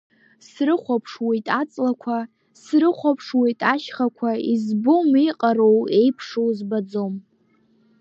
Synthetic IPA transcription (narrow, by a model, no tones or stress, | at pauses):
srɨχʷapʰʂwejtʼat͡sʼlakʷʰa | srɨχʷapʰʂwejtʼaʃχakʷʰaizbomiqʼaro̞we̞jpʰʂowzbad͡zo̞m